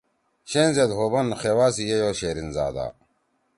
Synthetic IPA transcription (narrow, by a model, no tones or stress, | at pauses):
ɕeːnzed̪ɦoːbɐnxewaːsijejoːɕeːɾinza̰ːd̪a̰ː